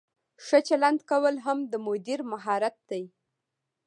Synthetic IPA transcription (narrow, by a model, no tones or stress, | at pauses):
ʂət͡ʃaland̪kawəlɦamd̪əmʊd̪iɾmaɦɑɾat̪̚d̪aj